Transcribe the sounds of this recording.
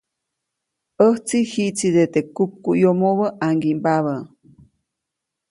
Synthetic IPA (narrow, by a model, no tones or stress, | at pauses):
əht͡sihiʔt͡sid̪et̪ekup̚kujomoβəʔaŋɡimbaβə